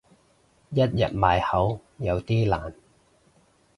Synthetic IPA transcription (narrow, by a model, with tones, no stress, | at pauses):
jɐ˥t̚jɐ̰˨t̚maː˨˧jhɐ˨˥wjɐ˨˧wt̪iː˥laː˨˩n